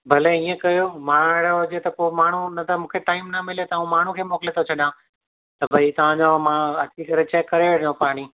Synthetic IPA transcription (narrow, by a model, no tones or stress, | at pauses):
bʱɐlɛiːẽkɐjomãːɪɽʊd͡ʑet̪ɐkomaːɳ̤unɐt̪ʰamũːkʰeʈaːɪmnɐmɪlet̪ɐaːũmaːɳ̤ũkʰeːmɔːkɪlet̪ʰot͡ɕʰɐɗã | t̪ɐbʱɐit̪ɐʋ̤ãd͡ʑamãɐt͡ɕikɐɾet͡ɕɛkːɐɾeʋeɽ̤jõpaːɽ̃i